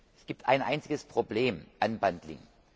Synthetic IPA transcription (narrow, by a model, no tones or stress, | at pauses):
ʔɛsɡ̥iːp̚tʰʔa̰ɪnʔa̰ɪnt͡sɪɡəspʁ̥obleːmʔanbantlɪ̰ŋ